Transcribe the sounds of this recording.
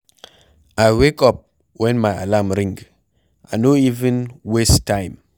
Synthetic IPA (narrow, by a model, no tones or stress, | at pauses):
ajwekɔp̚ | wɛ̃nmaja̰lamɾĩŋɡ | ʔanoivə̃nwestãɪ̃m